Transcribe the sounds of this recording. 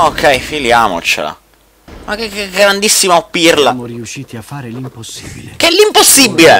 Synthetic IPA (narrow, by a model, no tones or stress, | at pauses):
okʰːɛjfiljaːmo̰t͡ʃḛla̰ | makekːɛɡɾand̪isːimaopːirlamɾiuʃiːt̪iafaɾelimposːibilkeɛlːimposːibːile